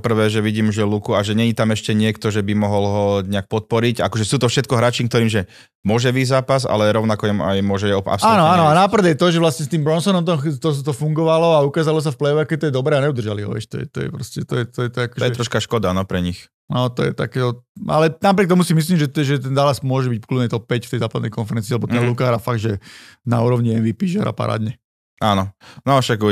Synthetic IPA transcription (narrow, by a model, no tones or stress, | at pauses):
ɔpr̩ʋɛːʒɛʋiɟiːmʒɛlukuaʒɛɲɛɲit̪amɛʃcɛɲɪɛkt̪ɔʒɛbimɔɦɔlɦɔɲɛak̚pɔt̪̚pɔɾicakɔʒɛsuːt̪ɔfʃɛt̪̚kɔɦɾaːt͡ʃiːŋk̚t̪ɔɾiːmʒɛ | mʊɔʒɛʋizaːpasa̰lɛɾɔʊnakɔjɛma̰jmʊɔʒɛɛɔa̰psaːnɔanɔanapr̩d̪jɛt̪ɔʒɛʋlast̪ɲɛst̪iːmbɾɔnsɔnɔmt̪ɔt̪ɔt̪ɔfuŋɡɔʋalɔaukaːzalɔs̬afplɛjɔʋɛakɛt̪ɔjɛd̪ɔbɾɛːaɲɛud̪rʒaliɦɔ̰ʋjɛ̰ʃt̪ɔ̰jɛ̰t̪ɔ̰jɛ̰pɾɔscɛt̪ɔjɛt̪ɔjɛt̪ɔakɔ̥ɔjɛt̪ɾɔʃkaʃkɔd̪anɔpɾɛɲix | nɔt̪ɔjɛ̰t̪a̰kɛːɦɔa̰lɛnapɾɪɛkt̪ɔmusimis̬liːmʒɛt̪ʒɛt̪ɛnzaːlasmʊɔʒɛbicklud̪nɛt̪ɔp̚pɛcft̪ɛjzaːpad̪nɛ̰jkɔnfɛɾɛnt͡siːlɛbɔt̪ɛɔlukaːɾafaɡd̪ʒɛna̰uːɾɔʋɲiɛnʋiːpiːʒɛ̰ɾa̰pa̰ɾa̰ːd̪ɲɛ | aːnɔnɔʃak